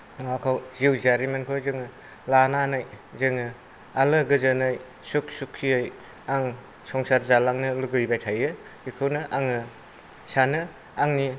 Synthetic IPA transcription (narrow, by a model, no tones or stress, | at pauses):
ŋakʰawziwzaɾimenkʰozɯŋɯ | lananɯjzɯŋɯ | alɯɡɯzɯnɯj | suk̚sukʰːiɯj | aŋ | sɔŋsaɾzalaŋnɯluɡɯjbajtʰajɯ̥ | ikʰɯwnɯʔaŋɯ | sanɯ | aŋni